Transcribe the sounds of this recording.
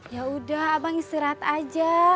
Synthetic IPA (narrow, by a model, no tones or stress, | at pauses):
jaudahabaŋist̪iɾat̪ad͡ʒa